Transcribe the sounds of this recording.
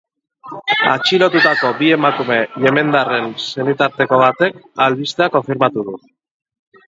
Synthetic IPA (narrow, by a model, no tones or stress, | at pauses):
a̰t͡ʃilo̞t̪ut̪ako̞bie̞makume̞ʎe̞me̞nd̪are̞nse̞nit̪aɾt̪e̞ko̞β̞at̪e̞kalβist̪eako̞ɱfiɾmat̪uðu